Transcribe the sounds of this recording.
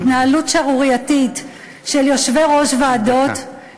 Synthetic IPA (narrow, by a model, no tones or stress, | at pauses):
tnaalutʃaʁuʁijatit | ʃeljo̞ʃveʁo̞ʃvaːdo̞t